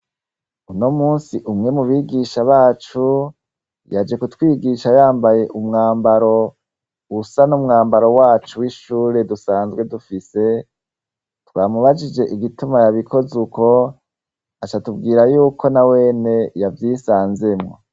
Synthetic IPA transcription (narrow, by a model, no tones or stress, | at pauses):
unomuːnsiʔumŋe̞muβiːɡiʃaβaːt͡ʃu | jad͡ʒe̞kutwiːɡiʃajaːmbaje̞ʔumŋaːmbaɾo̞ | usanumŋaːmbaɾo̞waːt͡ʃuwiʃuːɾe̞dusaːnzɡwe̞dufise̞ | twaːmuβad͡ʒid͡ʒe̞ʔiɡitumajaβikʰo̞zuko̞ | at͡ʃatub̚ɡiːɾajuːko̞nawe̞ːne̞javjiːsaːnze̞mŋo̞̰